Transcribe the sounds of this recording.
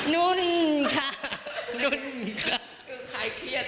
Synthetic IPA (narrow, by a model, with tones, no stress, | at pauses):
nu˦˥˩nkʰa˧˥˩nu˧˩nkʰa˧˩ | kʰɯː˧˩kʰa˨˧˩jkʰi˦˧˩ət̪̚